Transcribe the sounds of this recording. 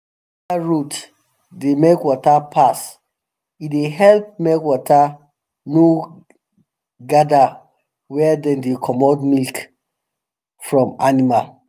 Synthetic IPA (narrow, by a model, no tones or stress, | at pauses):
wɔtaɹut | demekwɔtapʰas | ideɦɛlp̚mekwɔta | no | ɡada | wɛdɛ̃ndekʰɔmɔtmilk | fɹɔ̃manimal